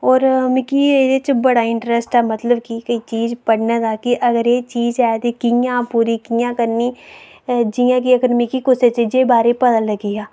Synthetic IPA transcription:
ɔːɾmɪkiːeːd̪et͡ʃbəɽaːɪɳʈɾɛsʈɛːmət̪ləbkikəiːt͡ʃiːzpəɽnaːd̪aːkɪʔəɡəɾeːt͡ʃiːzɛːt̪eːkɪjãːpuːɾiːkɪjãːkəɾniː | d͡ʒijãːk̬iəkəɾmikikʊset͡ʃed͡ʒeːbaːɾeːpət̪ãːləɡiːaː

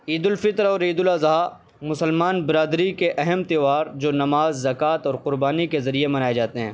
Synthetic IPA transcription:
iːd̪ʊlfɪt̪ɾɔːɾiːd̪ʊlazɐɦa | mʊsəlmaːnbɪɾaːd̪ɾikeʔɛɦɛmt̪eːʋaːɾd͡ʒoːnɐmaːzːɐkaːt̪ɔːɾqʊɾbaːnikezɐɾiemɐnaːed͡ʒaːt̪eɦɛ̃ː

